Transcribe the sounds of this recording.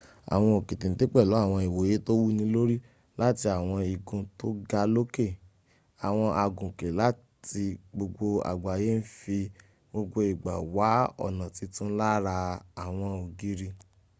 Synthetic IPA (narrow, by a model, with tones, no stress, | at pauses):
a̰˨w̃ɔ̃˧o˨kĩ˨tĩ˨te˦k͡pɛ˦˨lɔ˨˦a˦˨w̃ɔ̃˧i˨wo˨je˨˦to˦wu˦nĩ˧˦lo˦ɾi˦ | la˦ti˧a˨w̃ɔ̃˧i˨ɡũ˧to˦ɡa˧lo˦ke˦˨ | a˨w̃ɔ̃˧ʔa˨ɡũ˨ke˨la˦ | ti˧ɡ͡bo˧ɡ͡bo˧a̰˨ɡ͡ba˨je˦n̩˦fi˧ | ɡ͡bo˧ɡ͡bo˧i˨ɡ͡ba˨wa˨˦ɔ̰˦˨nã˨ti˨˧tũ˦n̩˦la˦ɾa˧a˨w̃ɔ̃˧o˨ɡi˦ɾi˧